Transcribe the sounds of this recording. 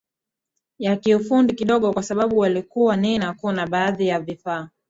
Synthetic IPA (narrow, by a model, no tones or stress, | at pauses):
jakiufundikiɗɔɠɔkwasaɓaɓuwalikuwanɛnakunaɓaːðijavifaː